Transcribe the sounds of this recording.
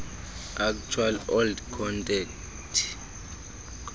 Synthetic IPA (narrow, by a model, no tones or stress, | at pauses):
ak̚t͡ʃʰwalɔldkʰɔntʼɛk | tʰ